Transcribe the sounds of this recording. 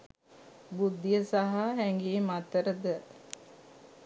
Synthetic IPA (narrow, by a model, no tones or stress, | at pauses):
bud̪ːijəsaɦaɦæŋɡeːmat̪əɾəd̪ə